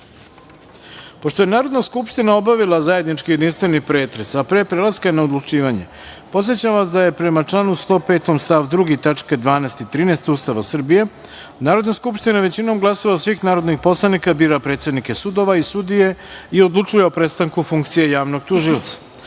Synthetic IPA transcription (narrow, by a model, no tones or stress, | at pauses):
po̞ʃt̪o̞je̞naːɾo̞d̪naskupʃt̪inao̞baʋilˠazaje̞d̪nit͡ʃkijed̪inst̪ʋe̞nixpɾe̞ːt̪ɾe̞sapɾepɾelaskaenaod̪lˠut͡ʂiːʋaɲe̞̰ | po̞t̪sje̞t͡ɕamʋasd̪aje̞pɾe̞mat͡ʂlˠanust̪o̞ːpe̞ːt̪omst̪aʋd̪ɾuɡit̪at͡ʂked̪ʋaːnest̪it̪ɾiːnest̪ust̪aʋasr̩bije̞ | naːɾo̞d̪naskupʃt̪inaʋe̞t͡ɕino̞mɡlˠasoʋasʋixnaːɾo̞d̪nixpo̞slˠanikabiːɾapɾe̞ːt̪se̞d̪nike̞sud̪o̞ʋaisud̪ije̞io̞d̪lˠut͡ʂujeopɾe̞t̪st̪aŋkufuŋkt̪sijejaːʋno̞ɡt̪uʒiot̪sḁ